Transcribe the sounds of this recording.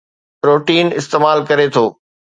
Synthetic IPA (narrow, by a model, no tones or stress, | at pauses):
pɾoːʈiːnɪst̪eːmaːlkɐɾet̪ʰoː